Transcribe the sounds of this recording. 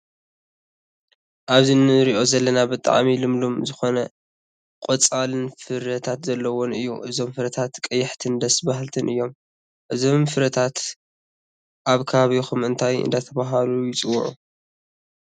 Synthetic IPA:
ʔaβzinɨɾiʔo̞zɐlːɐnabɨt̪ʼa̰ʕmilɨmlumzɨxo̞nɐ | kʼot͡sʼalɨnfɨɾɐt̪ʰat̪zɐlːɐwonɨjːṵʔɨzo̞mfɨɾɐt̪ʰat̪kʼɐjːɪħt̪ʰɨnd̪ɐsbaɦlt̪ʰɨnʔɨjːo̞m | ʔɨzo̞mfɨɾɐt̪ʰat̪ | ʔaβkʰɐβaβixumɨnt̪ʰajɨ̰nd̪at̪ʰɐβaɦalujɪt͡sʼɨwʕu

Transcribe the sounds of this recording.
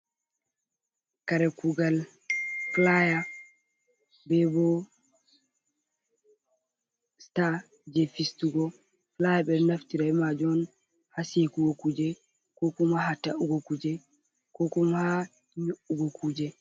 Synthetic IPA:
kaɾɛkuɡal | flaja | bɛbɔ | sta | d͡ʒefistuɡɔ | flajaɓɛɾnaftiɾaɛmad͡ʒɔn | hasekuɡokud͡ʒɛ | kɔkɔmaɦataʔuɡokud͡ʒɛ | kɔkɔmha | ɲoʔuɡɔkud͡ʒɛ

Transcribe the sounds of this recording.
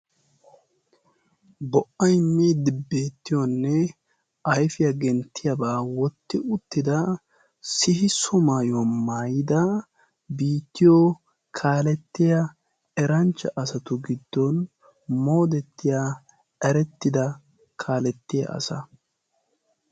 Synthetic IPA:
bɔʔɐjmːiːd̪ɪbeːt̪ːɪjɔnːɛ | ɐjfɪjɐɡɛnt̪ːɪjɐbaːwɔt̪ːɪʔʊt̪ːɪd̪ɐ | sɪhɪsɔmaːjwɔmaːjɪd̪ɐ | biːt̪ːɪjɔ | kʰaːlɛt̪ːɪjɐ | ɛɾɐnt͡ʃːɐʔɐsɐt̪ʊɡɪd̪ːɔn | mo̞ːd̪ɛt̪ːɪja | ɐɾɛt̪ːɪd̪ɐ | kʰaːlɛt̪ːɪjɐ̰ʔɐ̰sɐ

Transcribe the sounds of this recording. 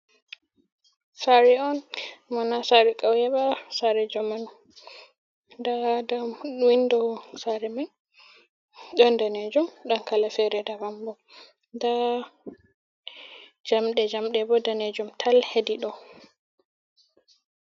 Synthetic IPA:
saɾɛɔnmanasaɾɛkʼawjɛɓasaɾɛd͡ʒɔman | dadawindɔsaɾɛman | ɗɔndanɛd͡ʒɔmɗɔnkalafɛɾɛdabambɔ | nda | d͡ʒamɗɛd͡ʒamɗɛbɔdaned͡ʒɔmtʰalhediɗɔ

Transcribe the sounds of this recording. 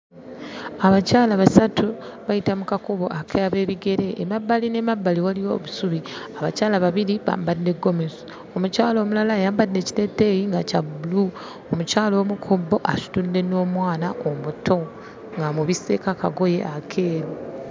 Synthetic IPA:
aβacaːlaβasatuβajitamukakuβo̞ʔakʰejaβe̞ːβiɡe̞ɾe̞ʔːmabːaline̞mabːaliwalijo̞̰βusuβiaβacaːlaβaβiɾiβa̰ːmbadːe̞ɡːo̞mezu | omucaːlo̞ːmulalajaːmbadːe̞cile̞tːe̞ːjiŋɡacabulu | omucaːlo̞ːmukʰubːo̞ʔasu̥tunde̞no̞ːmwaːnaʔomutʰo̞ | ŋɡamuβise̞kaka̰ɡo̞je̞̰ʔakʰe̞ːɾu

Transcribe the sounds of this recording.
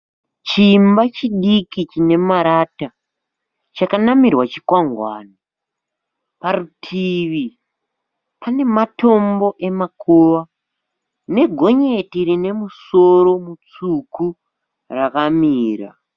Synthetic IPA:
t͡ʃimbat͡ʃiɗikit͡ʃine̞maɾata | t͡ʃakanamirwat͡ʃikwaŋɡwa̰ːna | parutʰiʋi | pane̞matʰo̞mbo̞ʔe̞makʰoːwa | ne̞ɡʱo̞ɲe̞tiɾine̞muso̞ɾo̞mut͡suku | rakamiːra̰

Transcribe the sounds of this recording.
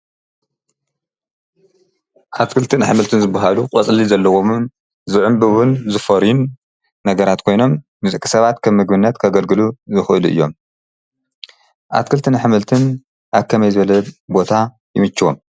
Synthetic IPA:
ʔat̪kʰɨlt̪ʰɨnħɨmɨlt̪ʰɨnzɨbːaɦaluqʼɐt͡sʼlizɐlːɐwomn | zɨʕʊmbɨwʊnzɨfɐɾunː | ɐɡɐɾat̪kʰo̞jno̞m | nɨzɨkʼi̥sɐβat̪kʰɐβmɨɡbɨnːɐt̪kʰɐɡɐlɡɨluzɨxʔɨluʔɨ̰jːo̞̰m | ʔa̰t̪kʰɨlt̪ʰɨnħɨmɨlt̪ʰɨn | ʔaβkʰɐmɐjzɨβɐlɐbo̞t̪ʰa | jɪmɨt͡ʃːɨwo̞̰m

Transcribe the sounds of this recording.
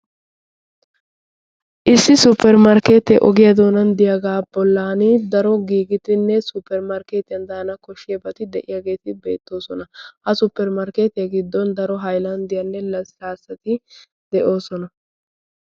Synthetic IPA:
ʔɪsːɪsʊpːɛɾmɐɾkeːt̪ɛʔɔɡɪjɐd̪o̞ːnɐnd̪ɪjaɡaːbɔlːaːnɪd̪ɐɾɔɡiːɡɪt̪ɪnːɛsʊpːɛɾmaɾkeːt̪ɪjɐnd̪aːnɐkɔʃːɪjɐbɐt̪ɪd̪ɛʔɪjaɡe̞ːt̪ɪbe̞ːt̪ːo̞ːsɔnɐhɐsʊpːɛɾmɐɾkeːt̪ɪjɐɡɪd̪ːɔnd̪ɐɾɔɦɐjlɐnd̪ɪjɐnːɛlɐsaːsːɐt̪ɪ | d̪ɛʔo̞ːsɔnɐ

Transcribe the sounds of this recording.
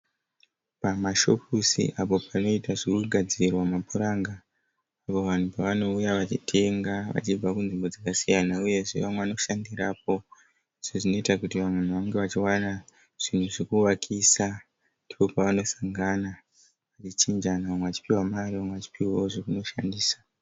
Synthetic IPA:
pamaʃo̞pusḭʔapo̞pʰano̞itaʐikuɡʱad͡zirwamapuɾaːŋɡaː | po̞ʋan̤upaʋano̞ujaʋat͡ʃitʰe̞ŋɡaʋa̰t͡ʃib͡vakunʐimbo̞d͡zakasijanauje̞ʐḛʋamweano̞ʃandirap̚o̞ | ʐ̥eʐino̞itakutiʋamwen̤uʋaŋɡe̞ʋat͡ʃiwana | ʐ̥in̤uʐikuwakʰisa | ndipo̞paʋano̞saŋɡana | ʋat͡ʃit͡ʃind͡ʒanaʋamweʋat͡ʃi̥piwamariʋamweʋat͡ʃi̥piwawoʐokuno̞ʃandiːsḁ

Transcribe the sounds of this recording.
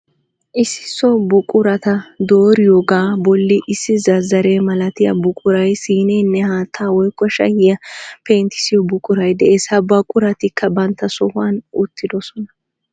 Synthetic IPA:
ʔɪsːɪ̥sɔbʊkʼʊɾɐt̪ɐd̪oːɾɪjoɡaːbɔlːɪʔɪsːɪzɐzɐɾe̞ːmɐlɐt̪ɪjɐ̰bʊkʼʊɾɐjsiːneːnːɛhaːt̪ʰːaːwɔjkːɔʃɐ̰jɪjɐpeːnt̪ɪ̥sɪjɔbʊkʼʊɾɐjd̪ɛʔeːsɐbɐkʼʊɾɐt̪ɪkʰːɐbɐnt̪ːɐsɔhʊwɐnʊt̪ːɪd̪ɔsɔnɐ̥

